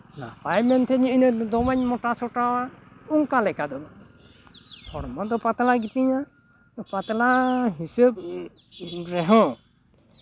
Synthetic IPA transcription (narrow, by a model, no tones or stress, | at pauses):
na̰pajmɛnt̪ʰɛɲiʔnəd̪ɔmaɲmɔʈasɔʈawauŋkalɛkad̪ɔ | hɔɽmɔd̪ɔpat̪laɡit̪iɲa | pat̪laɦisəb̚ | ɾɛɦɔ̃